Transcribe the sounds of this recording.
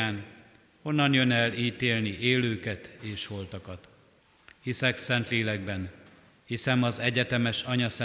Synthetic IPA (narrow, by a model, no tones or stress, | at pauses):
aːn | ho̞nːɒnjø̞nɛliːt̪eːlniʔeːløːkɛt̪eːʃho̞lt̪ɒkɒt̪ | hisɛksɛnt̪leːlɛɡbɛn | hisɛmɒzɛɟɛt̪ɛmɛʃɒɲɒsɛ